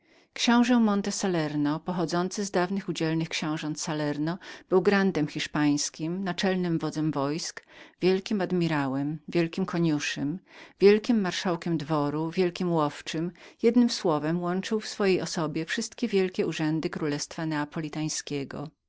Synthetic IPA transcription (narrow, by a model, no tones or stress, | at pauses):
kɕɔ̃w̃ʐɛmɔnt̪ɛsalɛɾnɔpɔxɔd̪zɔnt̪sɘzd̪avnɘxud͡ʑɛlnɘxkɕɛ̃w̃ʐɔnt̪salɛɾnɔb̥ɘwɡɾand̪ɛmxʲiʂpaj̃skʲimnat͡ʂɛlnɘmvɔd̪zɛmvɔjskvʲjɛlkʲimad̪mʲiɾawɛmvʲjɛlkʲimkʰɔɲuʂɘmvʲjɛlkʲimːaɾʂawkʲɛmd̪vɔɾuvʲjɛlkʲimwɔft͡ʂɘmjɛd̪nɘmswɔvɛmwɔnt͡ʂɘwfsfɔjejɔsɔbʲjɛfʂɘst̪kʲɛvʲjɛlkʲɛuʐɛnd̪ɘkɾulɛst̪fanɛapɔlʲit̪aj̃skʲɛɡɔ̰